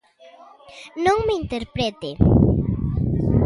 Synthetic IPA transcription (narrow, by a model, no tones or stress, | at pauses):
nõŋmeint̪eɾpɾet̪e